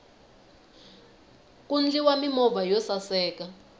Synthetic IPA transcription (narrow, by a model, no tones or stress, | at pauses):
k̬ʼund͡ɮiwamimɔvajɔsasɛːka